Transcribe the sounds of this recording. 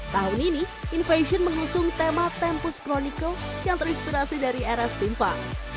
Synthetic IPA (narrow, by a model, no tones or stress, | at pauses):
t̪aɦʊnini | infeʃənməŋusʊŋt̪emat̪ɛmpʊskɾoniko | jaŋt̪əɾinspiɾasidaɾieɾast̪impaʔ